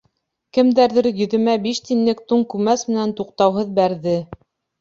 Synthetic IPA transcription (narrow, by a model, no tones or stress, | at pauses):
kɘ̆md̪æɾðɘɾjɵ̆ðɘ̆mæbiʃt̪inlɘkt̪uɴkʉmæsmɘ̆nænt̪uqt̪ɑwɦɤðbæɾðɘ